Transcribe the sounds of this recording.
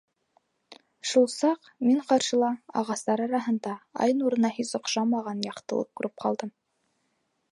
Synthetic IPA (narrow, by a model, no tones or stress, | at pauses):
ʃulˠsɑq | miɴqɑɾʃɤ̆lˠɑɑ̰ʁɑst̪ɑɾɑɾɑɦɤ̆nd̪ɑɑ̰jnuɾɤ̆nɑɦisŏqʃɑmɑʁɑnjɑqt̪ɤ̰̆lˠɤ̰p̚kʉɾʔɘp̚qʰɑ̰lˠd̪ɤm